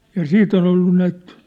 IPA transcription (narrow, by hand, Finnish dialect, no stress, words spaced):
jɑ siːt on olːu næit